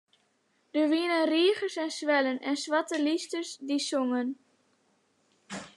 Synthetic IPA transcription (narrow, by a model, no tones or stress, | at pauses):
dəʋiənənriəχəsɛnsʋɛlənʔɛnsʋɑtəlistəsdisoŋən